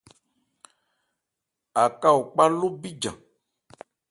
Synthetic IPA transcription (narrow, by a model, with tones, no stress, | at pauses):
a˨ka˦wo˨k͡pa˦lo˦bi˦d͡ʒã̰˨